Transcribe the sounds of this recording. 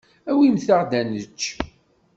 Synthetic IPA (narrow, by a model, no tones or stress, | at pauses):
æwimθaʁd̪ænət͡ʃː